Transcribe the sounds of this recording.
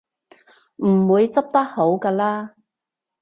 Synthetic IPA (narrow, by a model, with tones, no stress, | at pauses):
m̩˨˩wuː˨˧jt͡sɐ˥p̚t̪ɐ˥k̚ho˨˥wkaː˧laː˥